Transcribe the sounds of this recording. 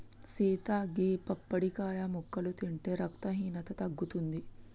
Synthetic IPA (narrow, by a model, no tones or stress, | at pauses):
siːt̪aːɡiːpɐpːɐɽikaːjamukːɐlut̪iɳʈeːɾɐkt̪ɐɦiːnɐt̪ɐt̪ɐɡːut̪und̪i